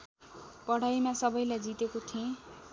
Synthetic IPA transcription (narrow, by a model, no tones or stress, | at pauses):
pʌɽ̤ajmasʌbʌjlajd͡zit̪ekot̪ʰiẽ